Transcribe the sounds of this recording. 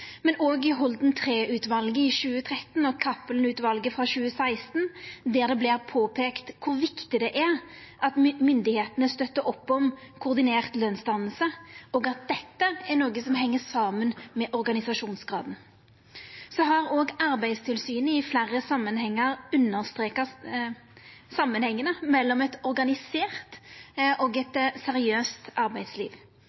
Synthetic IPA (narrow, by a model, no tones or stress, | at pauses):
mɛnoːɡɪɦɔld̪nt̪ʰʁeːʔʉːt̪ʋɑlɡəɪʃʉːət̪ʰʁɛt̪n̩ɔkʰɑpːəln̩ʉːt̪ʋɑlɡəfʁɑɕʉːəsæɪst̪nd̪æːɾd̪ɛblɪːʁpʰoːpʰeːkt̪kʰʊɾʋɪkt̪ɪd̪ɛʔæʁʔɑt̪mʏnd̪ɪheːt̪nəst̪œt̪ːəɾɔpːɔm | kʰʊʁd̪ɪneːʁt̪løːnst̪ɑnəl̩səɔːɡɑt̪̚d̪ɛt̪ːəæʁnoːɡəsɔmɦɛŋːəsɑːmənmɛʔɔɾɡɑnɪsɑʂuːnsɡʁɑ̰ːd̪n̩ | sɔɦɑɾoːɡɑɾbæɪd̪st̪ʰɪlsyːnəɪflæʁəsɑmːənhɛŋːəɾʉnːəʁst̪ʁeːkɑ | sɑmːənhɛŋːənəmɛlːɔmɛt̪ɔɾɡɑnɪseːʁt̪ʔɔɡɛt̪sɛɾɪøːst̪ɑɾbæɪd̪slḭːʋ